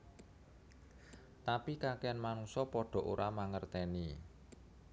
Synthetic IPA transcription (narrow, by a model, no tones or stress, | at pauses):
t̪apikakɛanmanuŋsɔpɔɖ̥ɔ̤ʔoɾʔamaŋərt̪ɛni